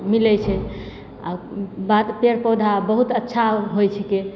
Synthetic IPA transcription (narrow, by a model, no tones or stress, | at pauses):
milɛt͡ʃʰɛ | a̰bat̪peɾpod̪ʱabəɦut̪ətːʃʰaɦojt͡ʃʰɛke